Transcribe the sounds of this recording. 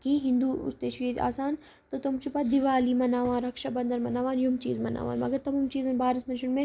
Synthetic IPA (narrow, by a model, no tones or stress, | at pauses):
kĩːɦĩnd̪ṵst̪eːʃea̰ːsaːn | t̪ot̪omt͡ʃʰupaːd̪ɪʋaːlimɐnaːʋãːnɾɐkʃabɐ̃nd̪əɾmɐnaːʋaːnjumt͡ʃḭːzmɐna̰ːʋa̰ːnmɐ̰ɡəɾt̪ɐmuːmt͡ʃiːzɐnbaːɾɪsmɐnʃʊnmẽ